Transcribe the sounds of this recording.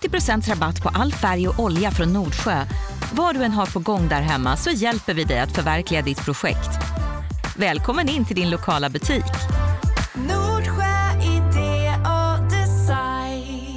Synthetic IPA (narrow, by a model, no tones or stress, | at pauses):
t̪ːɪpɾʊsɛnt̪sɾabat̪ːpʰɔʔalːfæɾjɔʔɔljafɾɔnːuːɖɧøːvaɖɵɛnɦaɾpʰɔɡɔŋːd̪æːɾɦɛmːa̰sɔjɛlpəɾvɪd̪ɛjat̪fœɾvæɾklɪɡad̪ɪt̪pʰɾʊɧɛ̰kt̪ | vɛːlkʰɔmːənɪnt̪ʰɪld̪ɪnlʊkʰɑːlabɵt̪ʰiːk | nuːɖɧøɪd̪ead̪ɛsaj